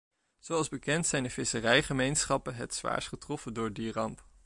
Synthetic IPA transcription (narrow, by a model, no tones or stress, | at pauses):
z̥owɑlˠzbəkɛntsɛjndəvɪsərɛjχəmejnsχɑpənɦɛtsʋa̰ːɹsχətrɔfəndʊːɹdirɑmp